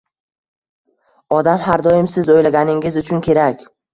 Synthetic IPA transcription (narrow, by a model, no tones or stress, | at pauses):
ɒd̪amhaɾd̪ɒjɪmsɪzojlaɡʲanɪŋɪzʊt͡ʃʰʊnkʲʰe̞ɾakʲ